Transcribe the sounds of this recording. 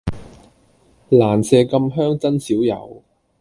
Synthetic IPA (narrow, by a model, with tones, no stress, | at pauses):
laː˨˩nsɛː˧kɐ˧mɦœː˥ŋt͡sɐ˥nsiː˨˥wjɐ̰˨˩w